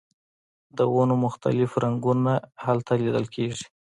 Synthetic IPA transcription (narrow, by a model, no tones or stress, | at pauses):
d̪əwonomʊxt̪a̰lɪfɾaŋɡunahalt̪alid̪əlkʰeʐi̥